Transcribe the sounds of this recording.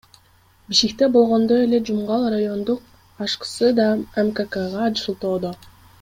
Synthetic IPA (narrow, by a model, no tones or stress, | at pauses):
biʃkʲik̚t̪ebo̞lˠʁo̞nd̪oje̞le̞d͡ʒumʁɑlˠrajo̞nd̪uq̚ | ɑʃqɯ̥sɯd̪ɑemkekəʁɑd͡ʒɯʃulˠt̪o̞ːd̪o